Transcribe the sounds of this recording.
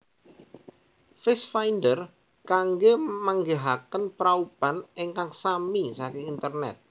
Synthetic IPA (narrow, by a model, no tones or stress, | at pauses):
fɪsfajndər | kaŋɡemaŋɡeɦakənpɾaupaneŋkaŋsamisakɪŋint̪ərnɛ̰t̪̚